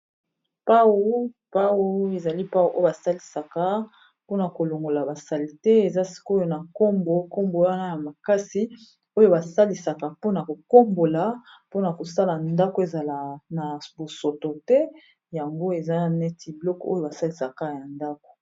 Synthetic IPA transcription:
pa˦wo˦ | pa˦wo˦e˨za˨li˦pa˦wu˦ʔo˦o˦ba˨sa˦li˨sa˨ka˦ | po˦na˨ko˨lo˨ŋɡo˨la˨ba˨sa˨li˨tɛ˦e˨za˦si̥˦ko˦jo˦na˨ko˦mbo˨ko˦mbo˨wa˦na˦ja˨ma˨ka˦si˦ | o˦jo˦˨ba˨sa˦li˨sa˨ka˨po˦na˨ko˨ko˦mbo˨la˦ | po˦na˨ko˨sa˦la˨nda˦ko˦e˨za˨la˨na˨bo˨so˨to˨tɛ˦ | ja˨ŋɡo˦e˨za˦nɛ˦ti˨blɔ˦ko˦jo˨ba˨sa˦li˨sa˨ka˦ja˨nda˦ko̥˨

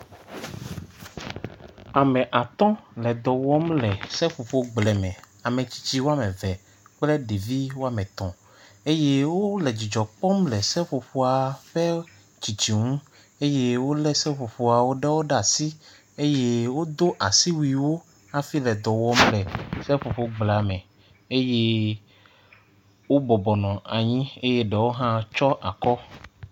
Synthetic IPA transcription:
a˨mɛ̃˨ʔa˨t̪ɔ̃˦lɛ˨d̪ɔ˨wɔ˦mlɛ˨sɛ˦ɸo˨ɸo˦ɡ͡blɛ˨mɛ̃˨ | a˨mɛ̃˨t͡ɕi̥˨t͡ɕi˦wo˦a˦mɛ̃˨vɛ˨ | k͡plɛ˦ɖe˨vi˦wo˦a˦mɛ̃˨t̪ɔ̃˨ | e˦je˦wo˦lɛ˨d͡ʑi˨d͡ʒɔ˨k͡pɔ˦mlɛ˨sɛ˦ɸo˨ɸo˨a˨ɸɛ˦ | t͡ɕi˨t͡ɕi˨ŋũ˦ | e˦je˦wo˦lɛ˦sɛ˦ɸo˨ɸo˨a˨wo˦ɖɛ˦wo˦ɖa˦˨si˦ | e˦je˦wo˦d̪o˦ʔa˨si˦wui˨wo˦ | a˦fi˦lɛ˨d̪ɔ˨wɔ˦mlɛ˨sɛ˦ɸo˨ɸo˦ɡ͡bla˨mɛ̃˨ | e˦je˦ | wo˦bɔ˨bɔ˨nɔ̃˨a˨ɲĩ˦e˦je˦ɖɛ˨wo˦ɦã˦t͡ʃɔ˦ʔa̰˨kɔ˦

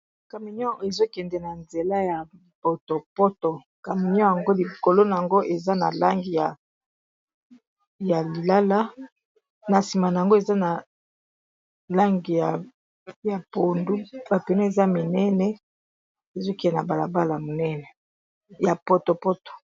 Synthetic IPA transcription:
ka˨mi˨n˦ɔ̃˦e˨zo˦kɛ˨ndɛ˨na˨nze˨la˦ja˨ | po˨to˨po˦to˨ | ka˨mi˨ɲ˦ɔ̃˦ja˨ŋɡo˦li˨ko˨lo˦na˨a˨ŋɡo˦ʔe˨za˦na˨la˦ŋɡi˨ja˨ | ja˨li˨la˦la˦ | na˨si˨ma˨na˨a˨ŋɡo˦e˨za˦na˨ | la˦ŋɡi˨ja˨ | ja˨po˨ndu˦ba˨pe˨no˦e˨za˦mi˨nɛ˦nɛ˦ | e˨zo˦kɛ˨dɛ˨na˨ba˨la˨ba˦la˨mo˨nɛ˦nɛ˨ | ja˨po˨to˨po˦to̥˨

